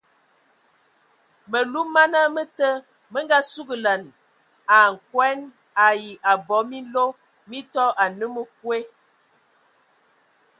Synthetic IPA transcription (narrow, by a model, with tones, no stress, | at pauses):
mə˨lu˦ma˦nə˦mə˦tə˦ | mə˦ŋɡa˦su˦ɡə˨lə˨n | a˨ŋ̩˨kwɛ˦n | a˨ji˨ʔa˨bɔ˨˦mi˦lo˦ | mi˦tɔ˦ʔa˨nə˦mə˨k̚we˦